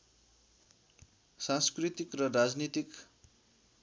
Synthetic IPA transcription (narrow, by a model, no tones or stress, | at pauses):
sãnskrit̪ikrʌrad͡znit̪ik